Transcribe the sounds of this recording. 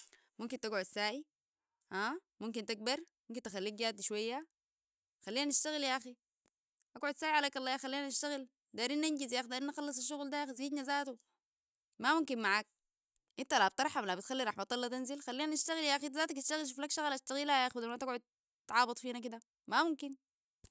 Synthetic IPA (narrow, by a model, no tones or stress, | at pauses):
mumkint̪aɡʕud̪saːʔi | haːmumk̬int̪aɡ̚bɑɾˤmumkint̪axalːiːk̚ɡaːd̪iʃwajːa | xalːiːnanaʃt̪aɣiljaʔaxi | ʔaɡʕʊd̪saːʔiʕalaːkɑlˤːɑːjaxalːiːnanaʃt̪aɣil | d̪aːɾinːʔanɟizjaxd̪aːɾinːaxɑlːɑs̬ˤaʃːuɣld̪ajaːxziːd̪nazaːt̪u | mamumkinmaʕak̚ | ʔint̪alab̚t̪ˤɑɾˤħamlabit̪xalːiɾˤɑħmat̪ˤɑlːɑt̪anzilxalːiːnanaʃt̪aɣiljaʔaxit̪zaːt̪ak̪iʃt̪aɣilʃ̬uflakʃaɣalʔaʃt̪aɣilajaːxud̪amat̪aɡʕʊd̪̚ | t̪ʕɑːbɑt̪ˤfiːnak̬id̪a | mamumkin